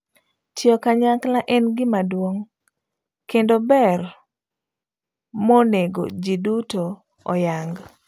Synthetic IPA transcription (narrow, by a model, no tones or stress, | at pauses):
tjɔkaɲaklaʔɛnɡɪmadwoŋ | kendobɛr | moneɡo̰d͡ʒiduto | ɔ̰jaŋɡ